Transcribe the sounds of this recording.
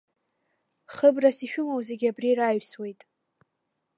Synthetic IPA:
χəbrasiʃᶣʊmowze̞ɡʲabriɾajɥswe̞jtʼ

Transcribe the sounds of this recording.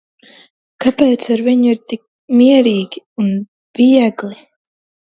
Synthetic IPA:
kapɛːt̪saɾviɲuiɾt̪ik̚ | miɛɾiːɡʲiun | v̥iɛɡlˠi

